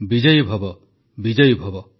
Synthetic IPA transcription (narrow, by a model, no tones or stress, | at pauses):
bid͡ʒʌjbʱɔbɔ | bid͡ʒɔjbʱɔbɔ